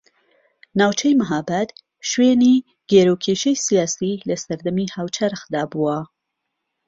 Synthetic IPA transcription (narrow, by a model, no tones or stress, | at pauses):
naːwt͡ʃʰɐjmɨɦabat̪ | ʃweːniː | ɡ̥eɾokʰeʃejsijaːsilɐsɐɾd̪ɐmihaːwt͡ʃʰɐɾxd̪aːbuwɐ